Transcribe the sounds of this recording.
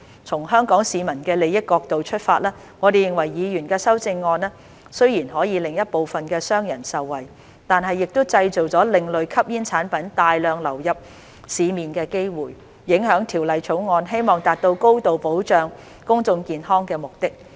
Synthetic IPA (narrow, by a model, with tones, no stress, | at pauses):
t͡sʰʊ˨˩ŋɦœː˥ŋkɔː˨˥ŋsiː˨˧mɐ˨˩nkɛː˧le˨˧jɪ˥t̚kɔː˧k̚t̪o˨wt͡ʃʰɵ˥t̚faː˧t̚laː˥ | ŋɔː˨˧d̪e˨jɪ˨ŋwɐ˨˩jːiː˨˧jyː˨˩nkɛː˧sɐ˥wt͡sɪ˧ŋːɔː˧nɛː˥ | sɵ˥ɥjiː˨˩nɦɔː˨˥jiː˨˧lɪ˨ŋjɐ˥t̚po˨wfɐ˨nkɛː˧sœː˥ŋjɐ˨˩nsɐ˨wːɐ˨˩j | t̪aː˨nɦɐ˨jːɪ˨k̚t̪ʊ˥wt͡sɐ˧jt͡so˨wt͡sɔː˨˥lɪ˨ŋlɵ˨ɥkʰɐ˥p̚jiː˥nt͡sʰaː˨˥npɐ˨˥nt̪aː˨jlœː˨˧ŋlɐ˨˩wjɐ˨p̚ | siː˨˧miː˨nkɛː˧ke˥jwuː˨jː | ɪ˨˥ŋɦœː˨˥ŋt̪ʰiː˨˩wlɐ˨jt͡ʃʰo˨˥wŋɔː˧nɦe˥jmɔː˨ŋt̪aː˨t̚t̪o˧wko˥wt̪o˨wpo˨˥wt͡ʃœː˨˧ŋ | kʊ˥ŋt͡sʊ˧ŋkiː˨nɦɔː˥ŋkɛː˧mʊ˨k̚t̪ɪ˥k̚